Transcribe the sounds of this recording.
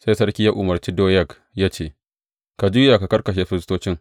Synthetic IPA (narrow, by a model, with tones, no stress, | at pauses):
sa˦jsɐ˦rkʲi˦jaː˦ʔʊ˨mɐ˨rt͡ʃi˦doː˦jɐ˦k | jaː˦t͡ʃeː˨ | ka˨d͡ʒʊ˦jaː˨ka˨kɐ˦rkɐ˨ʃ̬eː˨ɸɪ˦ɾɪ˦stoː˦t͡ʃɪ˦ŋ